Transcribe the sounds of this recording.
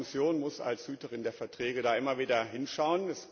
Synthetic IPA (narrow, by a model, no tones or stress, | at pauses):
mɪsjoːnmʊsa̰lshyːtəʁ̞ɪndeːɐfɛɐtʁ̥ɛːɡədaːʔɪmɐviːdɐɦɪnʃaʊənɛs